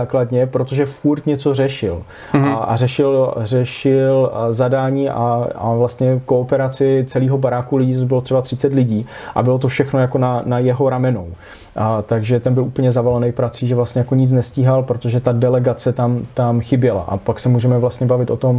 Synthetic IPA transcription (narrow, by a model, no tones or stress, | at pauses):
aːkladɲɛpɾot̪o̞ʒɛfuɾt̪ɲɛt͡so̞r̝ɛʃɪl | aʔa̰r̝ɛʃɪlrɛʃɪlzadaːɲiːʔa̰a̰vlast̪ɲɛkoːpɛɾat͡sɪt͡sɛliːɦo̞baɾaːkulɪɟiːt̪obɪlo̞t̪r̥ɛbat̪r̥ɪt͡sɛt̪lɪɟiːʔa̰bɪlo̞t̪o̞fʃɛxno̞jako̞nanajɛɦo̞ɾamɛno̞w | t̪aɡʒɛt̪ɛnbɪlʔuːpl̩ɲɛzavalɛnɛjpɾat͡siːʒɛvlast̪ɲɛjako̞ɲɪt͡snɛsciːɦalpɾot̪o̞ʒɛt̪adɛlɛɡat͡sɛt̪amt̪amxɪbjɛla̰ʔa̰paksɛmuːʒɛmɛvlast̪ɲɛbavɪt̪ʔo̞t̪o̞m